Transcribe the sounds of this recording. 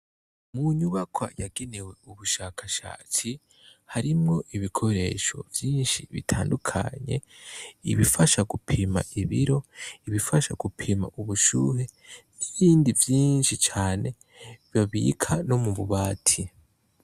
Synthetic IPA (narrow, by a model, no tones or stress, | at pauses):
muɲuβakwa̰jaɡenewe̞uβuʃakʰaʃa̰ːt͡si | haɾimŋo̞ʔiβikʰo̞ɾe̞ːʃo̞̰vjiːnʃiβḭtʰaːndukʰa̰ɲe̞̰iβifaʃaɡupʰima̰ʔiβiɾo̞iβifaʃaɡ̥upʰima̰ʔuβuʃuːhe̞niβiːndivjiːnʃit͡ʃaːne̞ | βjaβḭkʰano̞muβuβaːtʰi